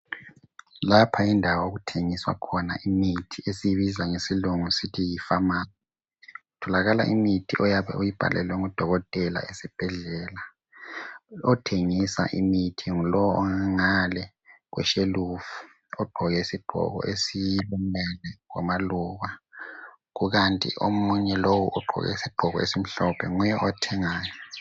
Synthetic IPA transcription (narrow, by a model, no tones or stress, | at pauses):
lapʰaindʱawaoɣutʰeŋiswa̰kʰɔna̰ʔimitʰiesijiβizaŋesiluŋusitʰijifamaːnɛ | utʰɔlaɣala̰ʔimitʰiʔɔjaβɛ̰ujib̥ʱa̰lʔɛ̰lwɛŋud̥ʱɔɣɔtʼɛla̰esib̥ʱɛɮɛːla | ɔtʰeŋisa̰ʔimitʰiŋulɔɔŋaŋalɛ | ɣwʔɛ̰ʃelufu̥ | ɔɡ͡ǃʱɔɣɛisiɡ͡ǃ̥ʱɔ̰ɣɔ̰ʔesijilumɛlɛɣwa̰maluɣa | ɣuɣantʼḭʔomuɲɛlowuʔɔɡ͡ǃʱɔ̰ɣɛ̰isiɡ͡ǃ̥ʱɔɣɔ̰esim̩ɬɔpʰɛŋujɛʔɔtʰɛŋaːjɔ